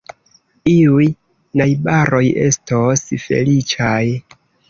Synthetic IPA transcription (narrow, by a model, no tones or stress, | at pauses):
iuj | najbaɾo̞je̞̰stosfe̞̰lit͡ʃaj